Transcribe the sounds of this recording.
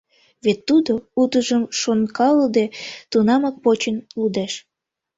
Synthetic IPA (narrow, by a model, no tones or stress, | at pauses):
βet̪ːud̪out̪əʒəmʃonkɑləd̪et̪unɑmək̚pot͡ɕənlud̪eʃ